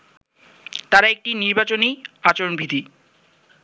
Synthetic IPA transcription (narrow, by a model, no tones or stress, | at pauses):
t̪aɾaek̚ʈiniɾbat͡ɕoniat͡ɕoɾonbʱid̪ʱi